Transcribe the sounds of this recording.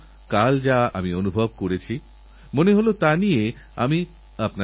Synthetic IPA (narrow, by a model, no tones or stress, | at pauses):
kald͡ʑaamionubʱobkoɾet͡ɕʰi | moneɦolot̪anije | ami | apna